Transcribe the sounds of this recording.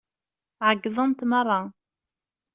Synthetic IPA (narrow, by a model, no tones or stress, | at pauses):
ʕəɡːðˤənt̪mɑrˤːɑ